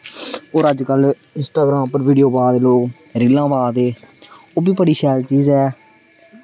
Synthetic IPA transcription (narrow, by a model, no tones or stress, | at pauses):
oːɾəd͡ʒkəl | ɪ̃nsʈaːɡɾaːmpəɾʋiːɖijoːbaːd̪eːloːk | ɾɪlãːbaːd̪eːoːbiːbəɽiːʃɛːɾt͡ʃiːzɛː